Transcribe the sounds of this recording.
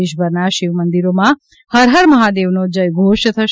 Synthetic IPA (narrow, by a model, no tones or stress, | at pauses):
eʃ̬bʱəɾnaʃiʋmənd̪iɾomã | həɾɦəɾməɦad̪eʋnod͡ʒəjɡʱoʃt̪ʰəʃ